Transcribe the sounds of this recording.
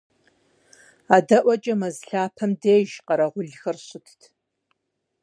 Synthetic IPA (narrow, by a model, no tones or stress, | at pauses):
aːdɐʔʷɐt͡ʃʼɐmɐzɬaːpʰɐmdeːʒqɐɾɐʁʷʊɮxɐrɕɪtʰtʰ